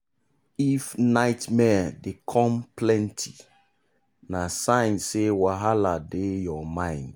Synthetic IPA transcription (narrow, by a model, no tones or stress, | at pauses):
ifnaɪtmɛdekʰɔ̃mplɛ̃ntʰi | nasãɪ̃nsewaɦaladejɔmãɪ̃nd